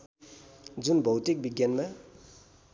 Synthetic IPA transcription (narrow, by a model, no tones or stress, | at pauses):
d͡ʒunbʱʌwt̪ik̚biɡjanma